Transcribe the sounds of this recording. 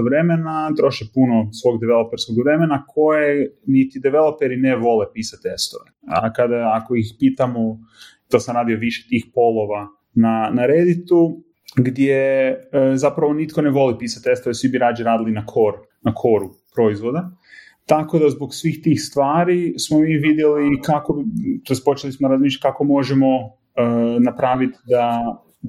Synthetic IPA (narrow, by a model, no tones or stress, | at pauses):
ʋɾe̞menat̪ɾo̞ʃepunosʋo̞ɡd̪eʋelopeɾskoɡʋɾe̞menakʰo̞jenit̪id̪ɛʋelo̞peɾineʋo̞lepiːsat̪e̞st̪o̰ʋeakad̪aako̞ixpiːt̪amo | t̪o̞samɾaːd̪io̞ʋiʃe̥t̪ixpo̞lˠo̞ʋa | nanaɾed̪it̪u | ɡd̪je | zapɾaʋo̞nit̪ko̞ne̞ʋo̞lipiːsat̪ʲest̪oesʋibiɾaːd͡ʒiɾaːd̪ilinakʰo̞ɾ | nakʰo̞ɾu | pɾo̞izʋo̞d̪a | t̪ako̞d̪azboɡsʋiːxt̪iːxst̪ʋaːɾismomiːʋid̪jelikakobt̪espo̞t͡ʃelismoɾazmiʃ̬at̪̚kako̞mo̞ʒemo̞ | ənapɾaːʋit̪d̪a